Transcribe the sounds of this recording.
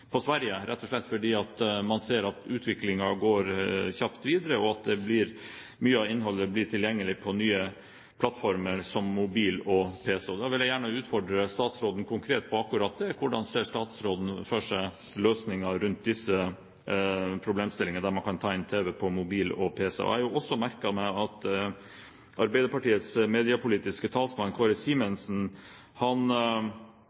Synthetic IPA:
pʰɔsʋæɾjəɾʔɛt̪ːɔʂɭɛt̪ːfɔɖiːɑt̪mɑnseːɾɑt̪ʉːt̪ʰʋɪklɪŋɑɡoːɾçɑpt̪ʋiːd̪əɾəɔɑt̪̚d̪ɛblɪɾ | myːəɑɪnɦɔlːəblɪʈʰɪljɛŋːəlɪpʰɔnyːə | pʰlɑt̪ːfɔɾməɾsɔmːʊbiːlɔpʰeːsəɔd̪ɑːʋɪljæɪjæːɳəʉːt̪fɔɖɾəst̪ɑːt̪sɾoːd̪ən̩kʰʊŋkʰɾeːt̪̚pʰɔɑkːʊɾɑːt̪̚d̪ɛkʰʊɖɑnseːʂt̪ɑːt̪sɾoːd̪n̩føːʂæ | løːsnɪŋɑɾʉnt̪̚d̪ɪsːə | pʰɾʊbleːmst̪ɪlɪŋənəd̪æɾmɑnkʰɑnt̪ʰɑːɛnt̪ʰeːʋɛpʰɔmʊbiːlɔ̰pʰeːsə̰ɔ̰æ̰ɾjʊɔsːɔmæɾkɑmɛɑt̪ | ʔɑɾbæɪd̪əɾpɑʈiːət̪smeːd̪ɪɑpʊliːt̪ɪskət̪ʰɑːlsmɑnkʰɑːɾəsiːmənsn̩ | hɑn

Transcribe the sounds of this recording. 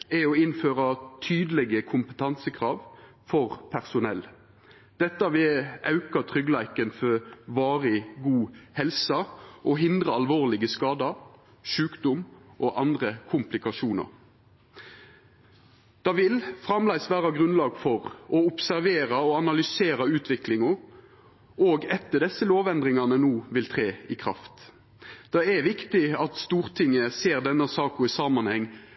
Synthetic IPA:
ɛɔɪnføːʁɑt̪ʰyːd̪əlɛɡəkʰʊmpə̥t̪ʰɑnsəkʰʁɑːʋ | fɔʁpʰæʁsʊnɛlː | d̪̥ɛt̪ːɑʋɪɑʉkɑt̪ʰʁʏɡlæɪkənfɔʋɑːʁɪɡuːhɛlsɑʔɔɦɪnd̪ʁəɑlʋoːʁlɪɡəskɑːd̪ɑ | ʃʉːkd̪ʊmʔɔʔɑnd̪ʁəkʰʊmplɪkɑʃuːnɑ̰ɾ | d̪̥ɑːʋɪlfʁɑmlæɪsʋæːʁɑɡʁʉnlɑːɡfɔʁɔʊpsæʁʋeːʁɑɔɑnɑlʏseːʁɑʉːt̪ʋɪklɪŋʊ | oːɡɛt̪ːəd̪ɛsəloːʋɛnd̪ʁɪŋɑnənuːʋɪlt̪ʰʁeːɪkʰʁɑ̰ft̪ | d̪̥ɑɛʋɪkt̪ɪɑt̪st̪uːʁt̪ʰɪŋːəseːʁd̪ɛnːəsɑːkʊɪsɑːmɑnhɛŋː

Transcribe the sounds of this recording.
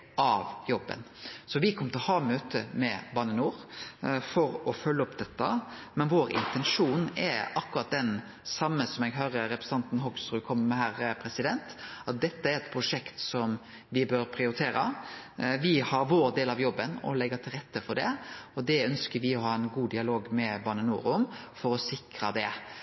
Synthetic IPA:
ʔɑʋjɔbːə̰nsɔʋɪkʰɔmət̪ʰɪlhɑːmøːt̪əmɛbɑːnənuːɾfɔɾɔfœlːəɔpd̪ɛt̪ːɑmɛnʋoːɾɪ̰nt̪ɛnʂuːnɛɾɑkːʉɾɑt̪̚d̪ɛn | sɑmːəsɔmɛɡɦøːɾəɾɛpɾəs̩ɑnt̪n̩ɦɔɡsɾʉːkʰɔmːəɾmɛɦæːɾpʰɾɛsɪd̪ɛnt̪ɑt̪̚d̪ɛt̪ːəæɾɛt̪pʰɾʊʂɛkt̪sɔm | ʋɪbøːɾpʰɾɪʊɾɪt̪ʰeːɾɑ̰ | ʋɪhɑɾʋoːɾd̪eːlɑʋjɔbːənɔ̰lɛɡːɑt̪ʰɪlɾɛt̪ːəfɔɾɖɛ̰ɔd̪ɛœnskəɾʋɪɔhɑːɛnɡuːd̪ɪɑloːɡmɛbɑːnənṵːɾʊmfɔɾɔsɪkɾɑd̪ɛ

